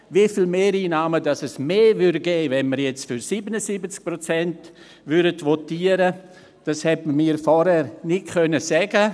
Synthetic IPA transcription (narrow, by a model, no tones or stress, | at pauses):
vifiːlmeːɾiːnɑːmədɑsɛsmeːvʏɾdɡeːvɛnməɾjɛt͡stfyɾsiːbənəsibət͡sk̚prot͡sɛnt | vʏɾdətʋɔtiːəɾə | d̥ɑshɛtmmiːɾfɔɾhɛɾnɪtkʰœnəsɛɡə